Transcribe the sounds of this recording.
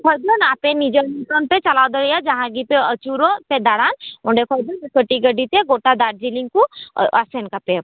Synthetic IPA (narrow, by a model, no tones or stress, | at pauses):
kʰɔjd̪ənaːpẽnid͡ʒəɾmiʈonpet͡ʃɐlaːd̪əɽijad͡ʒɐɦãɡipeət͡ʃuɾõped̪aɽaːnõɳɖekʰɔɾd̪ənkəʈiɡəɖit̪eɡoːʈad̪aːʈ̚d͡ʒilĩŋkuasenkape